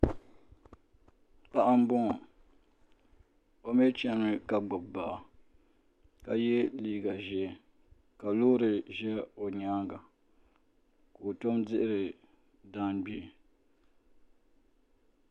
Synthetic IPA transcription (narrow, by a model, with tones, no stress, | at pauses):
pa˦ʔa˦m̩˦bʊ˦ŋ˨ | o˦me˦t͡ʃɛ˦mɨ˦ka˨ɡ͡bʊ˨b̚ba˨ʔa˨ | ka˦jɛ˦liː˦ɡa˨ʒɛ˨˦˨ | ka˨loː˦ɾɨ˨ʒɛ˦o˨ɲa˦ŋɡa˨ | ko˨to˦mdɪ˦ʔɪ˦ɾɨ˨ | da˦nɡ͡bi˨